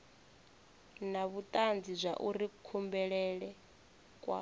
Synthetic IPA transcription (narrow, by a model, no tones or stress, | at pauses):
naβut̪ʼand͡zizʷaʔurikʰumbɛɺɛɺɛ | kʼwa̰